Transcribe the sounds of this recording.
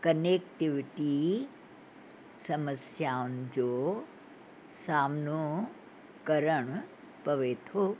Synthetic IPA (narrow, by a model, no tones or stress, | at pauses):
kənekʈiʋʈi | səməsjaʊnd͡ʒo | samno | kəɾəɳ | pəʋet̪ʰo